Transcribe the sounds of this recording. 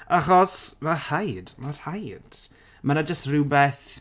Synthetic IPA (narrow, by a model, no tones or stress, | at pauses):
aχɔsmahajdmarhajd̥ | manad͡ʒəstrɪwbɛθ